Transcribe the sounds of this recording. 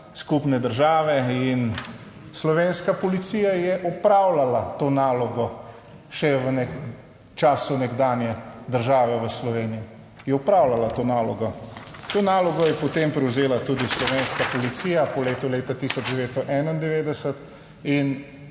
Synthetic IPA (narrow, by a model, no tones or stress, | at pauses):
skupnɛd̪əɾʒaːʋɛin | slɔʋeːnskapɔlit̪siːjajɛʔɔpɾawlalat̪oːnaːlɔɡɔ | ʃɛʋənɛk | t͡ʃaːsunɛɡd̪aːnjɛd̪əɾʒaːʋɛʋəslɔʋeːniji | jɛɔpɾaːwlalat̪oːnaːlɔɡɔt̪oːnaːlɔɡɔjɛpɔt̪empɾɛwzeːlat̪uːd̪islɔʋeːnskapɔlit̪siːjapɔleːt̪uleːt̪at̪isɔd͡ʒd̪ɛʋeːt̪st̪ɔʔɛnaind̪ɛʋeːd̪ɛsət̪ | in